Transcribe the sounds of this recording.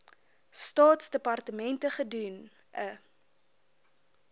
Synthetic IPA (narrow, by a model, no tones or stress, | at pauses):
stɑːtsdəpɐrtəmɛntəχədun | ʔə